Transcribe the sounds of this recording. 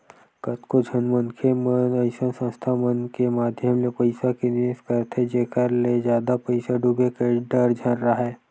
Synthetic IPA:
kət̪kod͡ʒʱənmənkʰemənəɪsənsə̃st̪ʰamənkemaːd̪ʱjəmlepəɪsakinieskəɾt̪ʰed͡ʒeːkəɾled͡ʒjaːd̪apəɪsaɖuɡekeɖəɾd͡ʒʱaɾɾaɦɛː

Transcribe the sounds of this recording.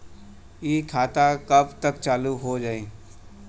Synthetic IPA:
iːkʰaːt̪akɐbt̪əkt͡ʃaːluɦod͡ʒaːiː

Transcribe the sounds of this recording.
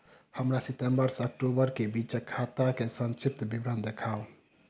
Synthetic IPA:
həmɾasitembəɾsək̚ʈobəɾkebit͡ʃkʰat̪akesə̃nt͡ʃip̚t̪bibɾənd̪ekʰao

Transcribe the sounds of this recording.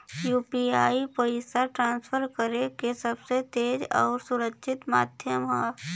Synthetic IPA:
juːpiaːipoɪsaʈɾãːnsfʰəɾkəɾekesəbset̪eːd͡ʒɔ̰ːɾsʊɾəkʃʰɪt̪maːd̪ʱjəmɦɛː

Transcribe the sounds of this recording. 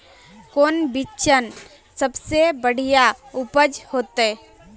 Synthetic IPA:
koːnbɪt͡ʃən | səbsebəɽ̤ijaʊpəd͡ʒhoːt̪e

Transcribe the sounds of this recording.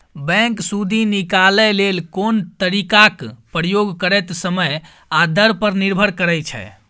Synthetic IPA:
bɛ̃ŋksud̪ʱinikalɛlelkont̪əɾikakpɾəjoɡkəɾɛt̪səməj | ad̪əɾpəɾniɾbʱəɾkəɾɛjt͡ʃʰɛ̰

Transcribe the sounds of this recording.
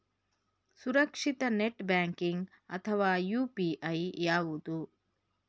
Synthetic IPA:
suɾɐkʂit̪ɐneʈbaːŋkiŋɡ | ɐ̰t̪ʰɐʋaːjuːpiːʔɐjjaːʋud̪u

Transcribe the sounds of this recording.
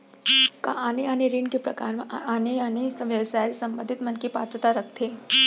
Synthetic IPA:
kã̰ʔaneaniɾiɳkepɾəkaɾmaneaneʋjəʋsajlsəmbənd̪ʱit̪mənkepa̰t̪ɾət̪aɾəkʰt̪ʰe

